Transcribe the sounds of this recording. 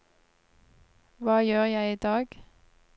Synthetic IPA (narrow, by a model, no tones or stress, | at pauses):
ʋɑːjøːʁjæɪiːd̪ɑːɡ